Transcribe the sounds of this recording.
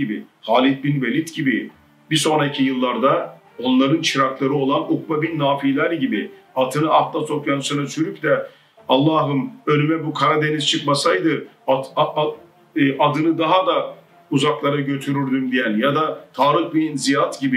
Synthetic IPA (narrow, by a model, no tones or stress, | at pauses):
ibḭ | haːlʲit̪̚binvelʲit̪ɟibi | biso̞nɾacʰijɯlˠːaɾd̪a | o̞nlˠaɾɯnt͡ʃʰiɾaklˠaɾɯo̞lˠanukbabinːaːfilʲæɾɟibiat̪ʰɯnɯaft̪ˠaso̞pjansɯnasyɾycd̪ɛ | alˠːaːɦɯmø̞lʲymɛbukʰaɾad̪e̞niz̥t͡ʃʰɯkmasajd̪ɯ | ad̪ɯnɯd̪aɦad̪a | uzaklˠaɾaɟø̞t̪ʰyɾyɾd̪ymd̪ijænʲjad̪at̪ʰaːɾɯhbinzijat̪ɟibi